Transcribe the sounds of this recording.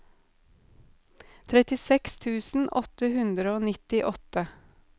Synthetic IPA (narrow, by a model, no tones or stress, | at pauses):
t̪ʰɾɛt̪ɪsɛkst̪ʰʉːsn̩ʔɔ̰t̪əhʉnd̪ɾəoːnɪt̪ɪʔɔt̪ə